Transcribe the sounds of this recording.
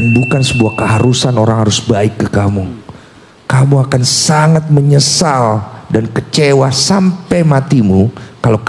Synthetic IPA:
nbukansəbuahkəɦaɾusanoɾaŋhaɾʊsbaɪkːəkamu | kamuakansaŋat̪̚məɲəsaldankət͡ʃewasampajmat̪imukalak

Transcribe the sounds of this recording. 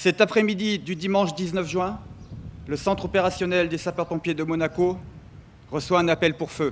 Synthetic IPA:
sɛt̪apχɛmid̪id̪yd̪imɑ̃ʃd̪iznœfʒɥɛ̃ | ləsɑ̃t̪χɔpeʁasjɔnɛld̪esapœʁpɔ̃pjed̪əmɔnako | ʁəswaɛ̃napɛlpuʁfø

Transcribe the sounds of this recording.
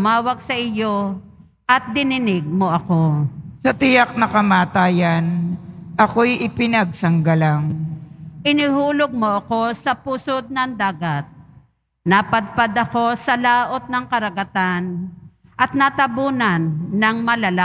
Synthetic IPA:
maːwɐɡ̚sɐʔɪjo̞ | ʔɐt̪̚d̪ɪnɪnɪɡ̚mo̞ʔɐko̞sɐt̪ɪjak̚nɐkɐmaːt̪aːjɐnʔɐko̞jʔɪpɪnɐɡ̚sɐŋɡɐlaŋ | ʔɪnɪhuːloɡ̚moʔɐko̞sɐpuːsod̪̚nɐŋd̪aːɡɐt̪̚ | nɐpɐd̪̚pad̪ɐko̞sɐlaːʔo̞t̪̚nɐŋkɐɾɐɡɐt̪an | ʔɐt̪̚nɐt̪ɐbuːnɐnːɐŋmɐlɐla

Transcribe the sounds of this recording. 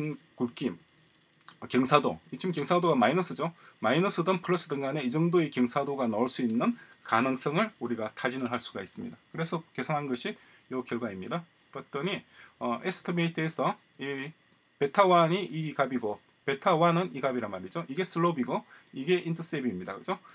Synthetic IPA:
n | kuɭk͈im | kjʌŋsʰado̰it͡ɕʰimkjʌŋsʰadoɡamainʌs͈ʰɯd͡ʑomainʌs͈ʰɯdɯnpʰɯɾʌs͈ɯdɯŋɡane̞id͡ʑʌŋdoe̞kjʌŋsʰadoɡanʌɭs͈uinːɯn | kanɯŋs͈ʌŋɯɭuɾiɡatʰad͡ʑinɯɭɦaɭs͈uɡais͈ɯmɲḭdakɯɾe̞sʰʌke̞sʰoŋɦanɡʌɕʰi | jokjʌɭɡwaimɲida | kʌt͈ʌɲiʌesʰɯ̥tʰɯmeitʰɯesʰʌ | i | pe̞tʰawaɲiʔikabiɡo | pe̞tʰawanɯniɡabiɾamaɾid͡ʑoʔiɡe̞s͈ʰɯɭːobiɡoiɡe̞ʔintʰʌs͈ebiːmɲida̰kɯd͡ʑo

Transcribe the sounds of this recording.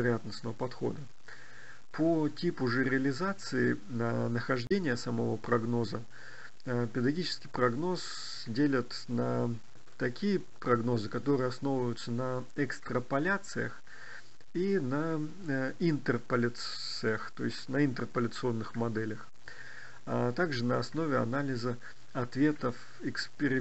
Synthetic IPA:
ɪɾɐjat̪nəsnəvəpɐt̪xo̞̰d̪ə | pʰotʲipʊʐɛɾʲɪəlʲɪzat̪sɨɪ | nənəxɐʐdʲenʲɪjəsɐmɐvo̞pɾɐɡno̞zə | pʲɪd̪ɡʲit͡ɕɪ̥skʲɪjpɾɐɡno̞s | dʲelʲət̪ | nə | t̪ɐkʲijə | pɾɐɡno̞zɨkɐt̪o̞ɾɨjəɐsno̞vvəjʊt̪sənəɛkst̪ɾəpɐlʲat̪sɨjə̰x | inə | ɪnt̪ərpəlʲt̪ | sɨjəxt̪o̞̰ɪsʲtʲnəɪnt̪ərpəlʲət̪sɨo̞nːɨxmɐd̪ɛlʲəx | at̪aɡʐɨnəɐsno̞vʲɪɐ̰nalʲɪzə | ɐt̪vʲe̞t̪əf | ɪkspʲɪɾʲɪ

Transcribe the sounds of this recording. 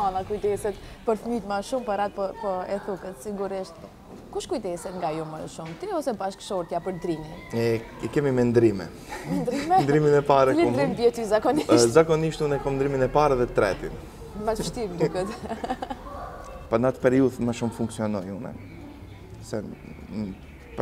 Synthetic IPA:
ɔ̃nakujt̪ɛsɛt̪pɐɾfmit̪maʃũmpɐɾat̪̚pɔpɔɛθukɐt̪siɡuɾɛʃt̪ | kuʃkujt̪ɛsɛt̪ŋɡajumɐʃũmt̪iɛvɔsɛpaʃkʃoɾt̪japəɾt̪ɾiniɛɛkɛmimɛnd̪ɾimɛ̰ | mɛnd̪ɾimɛnd̪ɾiminɛpaɾɛklɛ̃d̪ɾimvjɛt̪uizakɔniʃzakɔniʃt̪unɛkɔmnd̪ɾiminɛpaɾɛðɛt̪ːɾɛ̰t̪ḭn | mɐzʃt̪iɾd̪ukɐt̪ | panat̪pɛɾiuðmɐʃumfũŋksiɔnɔjũnɛ̰ | sɛ | p

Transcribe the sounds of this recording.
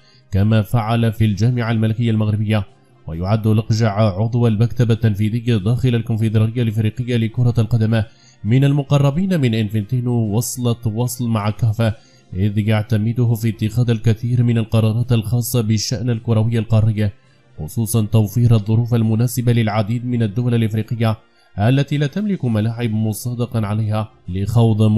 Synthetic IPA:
kamaːfaʕalafild͡ʒaːmɪʕalmalɪkɪjːalmaɣɾɪbɪjːa | wajʊʕad̪ːlɑqʒaʕʕʊd̪ˤwalmakt̪abat̪ːanfiːðɪjːad̪aːxɪlalkʊnfɪd̪ɑɾɪjːalfɾiːqɪjːalɪkʊɾˤɑlqɑd̪ama | mɪnalmʊqɑrˤːɑbiːnmɪnʔɪnfɪnt̪iːnuwɑsˤlɑt̪wɑsˤlmaʕakaːfa | ʔɪðjaʕt̪amɪd̪ʊhʊfit̪ːɪxaːd̪alkaθiːɾmɪnalqɑɾˤɑːɾˤɑːt̪alxɑːsˤːɑbɪʃːaʔnalkʊɾawɪjːalqɑɾˤːɪjːa | xʊsˤuːsˤɑnt̪awfiːɾʔaðˤːʊɾuːfalmʊnaːsɪbalɪlʕad̪iːd̪̚mɪnad̪ːʊwalalʔɪfɾiːqɪjːa | ʔalːat̪iːlaːt̪amlɪkmalaːʕɪbmʊsˤɑːd̪ɪqɑʕalajhaːlɪxɑwd̪ˤ

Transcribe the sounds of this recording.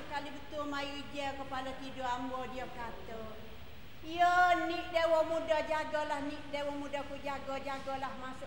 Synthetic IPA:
kalibət̪ʊlmajud͡ʒəkəpalat̪idoambɔdiəbəkat̪ə | iəniʔ̚dewɔmudad͡ʒaɡɔlahniʔ̚dewɔmudakud͡ʒaɡɔd͡ʒaɡɔlahmasʊ

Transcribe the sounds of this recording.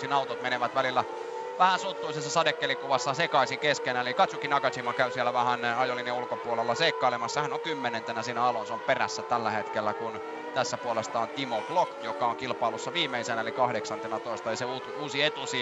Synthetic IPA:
sinɑut̪ot̪meneʋæt̪ʋælilːæ | ʋæhænsut̪ˑːuisesːɑsɑdekːelikuʋɑsːɑsekɑisikeskenæelikɑt̪sukːinɑkɑsimːɑkæysielːˑæʋæhænɑjolinjɑulkopuolelːɑseikːɑilemɑsːehænoŋkymːenent̪enæsiːnæɑlonseomperæ̰sːæt̪ælːæhet̪kelːækun | t̪æsːæpuolest̪ɑont̪imoblokjokɑoŋkilpˑɑlusːɑʋiːmːeisenæelikɑhdeksɑnt̪enɑt̪oist̪ɑjiseuː | uːsiet̪usi

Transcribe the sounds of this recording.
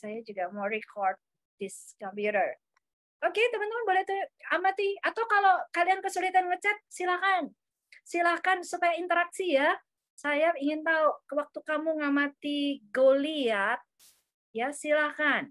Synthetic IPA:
sajad͡ʒuɡamoɾikʰɔrd̪̚ | dɪskɔmpjuɾər | ʔoket̪əmənt̪əmənbolɛht̪uamat̪iat̪awkalowkaliankəsulit̪anŋət͡ʃat̪̚silahkan | silahkansupajaint̪əɾak̚sija | sajaiŋɪnt̪aukəwak̚t̪ukamuŋamat̪iɡoliat̪̚ | jasilahkan

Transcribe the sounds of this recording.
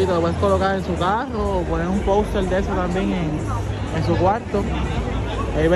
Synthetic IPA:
it̪opweskolokaɾensukaroːponeɾumpowst̪eɾd̪esot̪ambjeŋeŋ | eŋs̬ukwaɾt̪o | ajβe

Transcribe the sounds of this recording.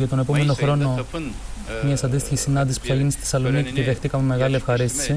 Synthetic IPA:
ʝɐt̪o̞ne̞pomeno̞xɾo̞no̞ | mɲɐsɐnd̪ist̪içisinɐnd̪isi̥spu̥θɐʝinist̪θesɐlo̞nicit̪iðext̪ikɐmeme̞ɣɐliefxɐɾist̪i̥si

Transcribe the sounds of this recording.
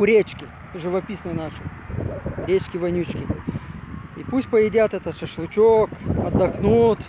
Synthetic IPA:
ʊɾʲet͡ɕkʲɪ | ʐɨvɐpʲisnɨnaʂɨ | ɾʲet͡ɕkʲɪvɐnʲut͡ɕkʲɪ | ḭpusʲtʲpəjɪdʲat̪ɛt̪ət̪ʂəʂlˠʊt͡ɕokɐd̪ːɐxnut̪

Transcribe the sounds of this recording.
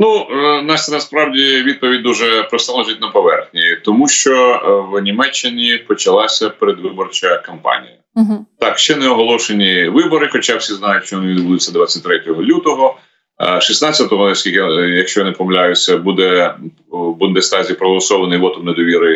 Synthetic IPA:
nunɑsʲnɐspɾɑwdʲiʋʲid̪̚pɔʋʲid̚ʲd̪uʒɛpɾɔst̪ɑlˠɔʒitʲnɐpɔʋɛrxnʲit̪ɔmuʃt͡ʃɔwnʲimɛt͡ʃːɪnʲipɔt͡ʃɐlˠɑsʲɐpeɾed̪ʋɪbɔrt͡ʃɐkɐmpɑ̰nʲḭjɐt̪ɑkʃt͡ʃɛnɛɔɦɔlˠɔʃenʲiʋɪbɔɾɪxɔt͡ʃawsʲiznɑjʊtʲʃt͡ʃɔʋɔnɪʋʲid̪bud̪ʊsʲːɐd̪ʋat͡sʲːɐt̚ʲt̪ɾɛtʲɔɦɔlʲut̪ɔɦɔ | ʃisnat͡sʲɐt̪ɔɦɔnɐsʲkʲilʲkɪjɐkʃt͡ʃɔjɔnɪpɔmlʲajʊsʲɐbud̪ɛ | bund̪ɛst̪ɑzʲijpɾɔɦɔlˠɐsɔʋɐnɪjʋɔt̪ɔmned̪ɔʋʲiɾɐ

